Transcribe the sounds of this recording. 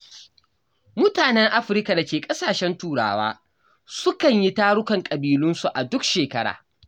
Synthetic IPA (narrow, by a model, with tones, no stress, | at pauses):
mʊ˦taː˨nɛ˦ŋʔa˦ɸɪ˨ɾka˨da˨kʲeː˨kʼɐ˦saː˨ʃɛ˦ntuː˦ɽa̰ː˦˨wa̰ː˦ | sʊ˦kɐ˨ɲji˦taː˦ɽʊ˦kɐ˨ŋkʼɐ˨biː˨lʊ˦nsu˨ʔa˨dʊ˦kʃeː˨kɐ˦ɽa̰ː˨